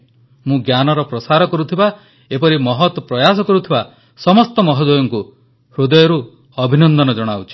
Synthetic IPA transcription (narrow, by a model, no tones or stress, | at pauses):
mũɡjanɔɾɔpɾɔsaɾɔkɔɾut̪ʰiba | epɔɾimɔɦɔt̪ɔpɾɔjas̬ɔkɔɾut̪ʰiba | sɔmɔst̪ɔmɔɦɔd̪ɔjɔŋku | hɾud̪ɔjɔɾu | ɔbʱinɔnd̪ɔnɔd͡ʒɔɽ̃awt͡ʃʰi̥